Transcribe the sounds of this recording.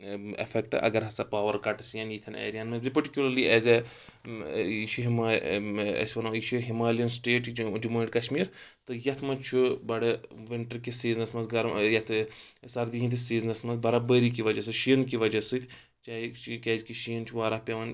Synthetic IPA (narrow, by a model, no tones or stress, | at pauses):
ḛfʰɛkʈɨ̰ʔɐ̰ɡɐɾɦɐsapaːʋɐɾkɐʈsijɐnjit̪ʰɐnḛːɾijaːnmɐzipɐɾʈikʲjulɐɾliɛːzʲe | it͡ʃʰiɦima | ɐ̰sʲʋɐnoːit͡ʃʰuɦimaːliɐnsʈeːʈd͡ʒumɐːʈkɐʃmiːɾt̪ɨjɐt̪ʰmɐt͡ʃʰubɐɽɐʋɪɳʈɐɾkisiːznɐsmɐnzɡɐɾmjɐt̪ʰsɐɾd̪iɦĩnt̪ʰisiːznɐsmɐnzbɐɾabəːɾik̬iʋɐd͡ʒɐsɨʃiːnkiʋɐd͡ʒɐsɨt̪ʲ | t͡ʃaːjt͡ʃkeːd͡ʒkiʃiːnt͡ʃʰuʋaːɾapʲeʋɐn